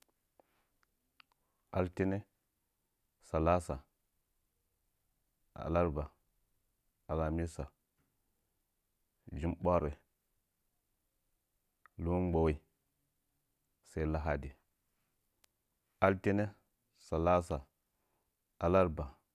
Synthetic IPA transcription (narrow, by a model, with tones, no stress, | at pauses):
a˦lti˦ne˦ | sa˨la˦sa˨ | a̰˨la˦ɾba˨ | a˨la˨mi˦sa˨ | d͡ʒi˦mɓa˦ɾe˨ | lu˦n˦ɡ͡bo˨we˦ | se˦i˦la˦ɦa˦di˨ | a˦lti˦ne˦ | sa˨la˦sa˨ | a˨la˦ɾba˨